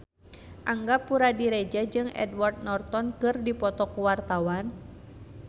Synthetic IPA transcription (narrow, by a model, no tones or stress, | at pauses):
ʔaŋɡapːuɾadiɾed͡ʒad͡ʒɨŋɛ̰dwart̪̚nɔrt̪ɔnkɨrdipɔt̪ɔkuwart̪awan